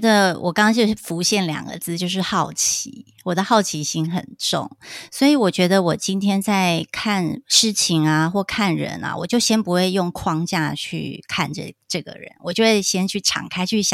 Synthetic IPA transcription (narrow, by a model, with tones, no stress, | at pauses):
d̪ə˧wʔɔ̰˨˩kɑ˥ŋɑ˥ŋt͡ɕjo˥˧˥fu˧˥ɕjɛ˥˩nljɑ̰˨˩ŋɡə̰˦t͡sɹ̩˥˧t͡ɕjo˥˧ʊʂ̬ɻ̩˥˧xɑ˥˩ʊt͡ɕʰi˧˦ | wɔ˨˩d̪ə˦xɑ˥˩ʊt͡ɕʰi˧˥ɕi˥nxə̰˨˩nʈ͡ʂʊ̰˥˨˩ŋswɔ˧˥i˨˥wɔ˨˩t͡ɕɥɛ˧˥d̪ə˧wɔ˨˩t͡ɕi˥nt̪ʰjɛ˥nt͡sa˥˧ɪkʰa˥˧nʂɻ̩˥˩t͡ɕʰi˧˥ŋa˧xwɔ˥˧kʰa˥˩nɻə̰˧˥na̰˧wɔ˨˩t͡ɕjo˥˩ʊɕjɛ˥npu˧˥xwe˥˧ɪjʊ˥˩ŋkʰwɑ˥ŋt͡ɕja˥˧t͡ɕʰy̰˥˩kʰa˥˧nʈ͡ʂə̰˨˩ʈ͡ʂɤ˥˩ɡə̰˩ɻə̰˧˦nwɔ˨˩t͡ɕjo˥˧ʊxwe˥˩ɪɕjɛ˥nt͡ɕʰy˥˩ʈ͡ʂʰɑ̰˨˩ŋkʰa˥ɪt͡ɕʰy˥˩ɕjɑ̰˨˩